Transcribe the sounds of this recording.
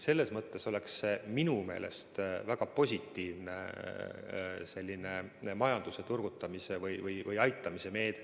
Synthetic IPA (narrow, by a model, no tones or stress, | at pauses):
se̞lːe̞smɤt̪ːe̞so̞le̞kseminume̞ːlʔe̞̰st̪væɡ̥ɑpo̞sʲit̪ːiːvnḛ | se̞lʲːinemɑjɑnd̪̥use̞t̪urɡ̥ut̪ːˑɑmisevɯjvɯjvɯjɑjt̪ːˑɑmise̞me̞ːd̪e